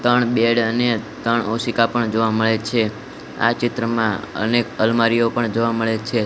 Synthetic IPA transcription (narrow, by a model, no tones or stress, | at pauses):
t̪əɳbeɽənet̪əɳosikapəɳd͡ʒoʋaməɭet͡ʃʰe | a̰t͡ʃɪt̪ɾəmãə̰nekəlmaɾijopəɳd͡ʒoʋaməɭet͡ʃʰe